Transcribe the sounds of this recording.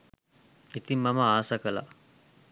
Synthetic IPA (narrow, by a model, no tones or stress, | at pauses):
it̪imːaməaːsakəla̰